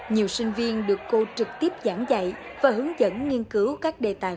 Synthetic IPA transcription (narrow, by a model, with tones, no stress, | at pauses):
ɲi˨˩əwsï˧ŋ̟vi˧ənɗɨ˨˩əkːo˧t͡ɕɨ˨˩k̚t̪i˦˥əp̚zaː˧˩ŋza̰˧˨jvaː˨˩ɦɨ˨˦əŋzə̰˧˥nŋi˧ənkɨ˨˦wkaː˦˥k̚ɗe˨˩t̪a̰ː˨˩